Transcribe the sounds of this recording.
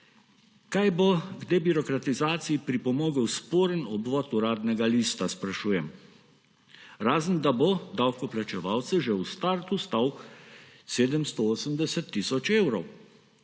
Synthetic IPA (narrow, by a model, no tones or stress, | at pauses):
kajboɡd̪eːbiɾɔkɾat̪izaːt̪sijipɾipɔmoːɡəwspoːɾənɔbʋɔːt̪uɾaːd̪nɛɡaliːst̪aspɾaʃuːjɛm | ɾaːzənd̪aboɔd̪awkɔplat͡ʃɛʋawt̪sɛʒɛust̪aːɾt̪ust̪aːw | seːd̪əmst̪ɔoːsəmd̪ɛsɛt̪ːisɔt͡ʃewɾɔw